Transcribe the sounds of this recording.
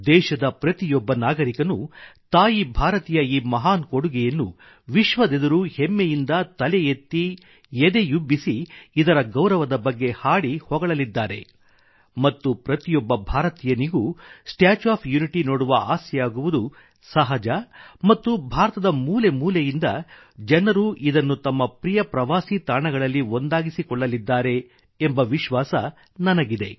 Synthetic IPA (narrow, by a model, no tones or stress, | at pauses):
d̪ɛːʃɐd̪ɐpɾɐt̪ijɔbːɐnaːɡɐɾikɐnut̪aːjibʱaːɾɐt̪ijɐiːmɐɦaːnkoɽuɡɛjɐnːu | ʋiʃʋɐd̪ed̪ɐɾuhemːejind̪ɐt̪ɐlɛjet̪ːi | ɛd̪e̞jubːisiːd̪ɐɾɐɡɐwɾɐʋɐd̪ɐbɐɡːe̞haːɽihɔɡɐɭɐlid̪ːaːɾe̞̰ | mɐt̪ːupɾɐt̪ijɔbːɐbʱaːɾɐt̪ijɐniɡusʈjaːt͡ʃaːpʰjuniʈinoːɽuʋɐʔaːsjɐjaːɡuʋud̪u | sɐɦɐd͡ʒɐmɐt̪ːubʱaːɾɐt̪ɐd̪ɐmuːle̞muːlejind̪ɐ | d͡ʒɛnɐɾuʔid̪ɐnːut̪ɐmːɐpɾijɐpɾɐʋaːsit̪aːɳɐɡɐɭɐlːio̞nd̪aːɡisikɔɭːɐlid̪ːaːɾe̞ː | mbɐʋiʃʋaːsɐ | nɐnɐɡid̪e̞̰